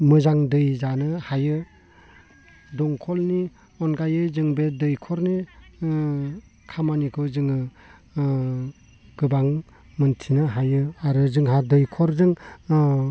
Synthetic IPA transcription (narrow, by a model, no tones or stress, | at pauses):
mɯzaŋdɯjzanɯhajɯ | dɔŋkʰɔlni | ɔnɡajɯzɯŋbedɯjkʰɔɾni | kʰamanikʰɯzɯŋɯ | ɡ̥ɯbaŋ | mɯntʰinɯɦajɯaɾɯzɯŋɦadɯjkʰɔɾzɯŋ